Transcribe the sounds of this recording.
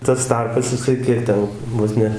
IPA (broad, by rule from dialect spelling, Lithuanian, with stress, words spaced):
tɐs ˈtɐrpɐs jɪˈsɐɪ ˈkʲiɛk ˈtʲɛn ˈʋoːs nʲɛ